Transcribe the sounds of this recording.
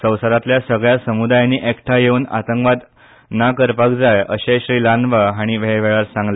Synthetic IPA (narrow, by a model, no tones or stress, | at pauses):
sə̃wsəɾat̪ljasəɡɭjasəmud̪ajaniːʔekʈʰajeuːna̰t̪əŋkʋad̪ | nakəɾpakd͡zajəɕeɕɾiːlanʋəɦaɽ̃iʋeʋeɭaɾsãŋɡle